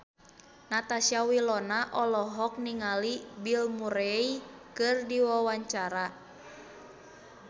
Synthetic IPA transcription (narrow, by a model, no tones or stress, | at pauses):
nat̪asiawilɔnaʔɔlɔɦɔk̚niŋalibilmuɾeikɨrdiwawaɲt͡ʃaɾa